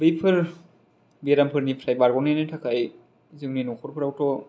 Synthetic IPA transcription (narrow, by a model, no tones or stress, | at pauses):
bɯjpʰɯɾ | biɾampʰɯɾnipʰɾajbaɾɡɔnenɯjtʰakʰaj | zɯŋninɔkʰɔɾpʰɯɾawtɔ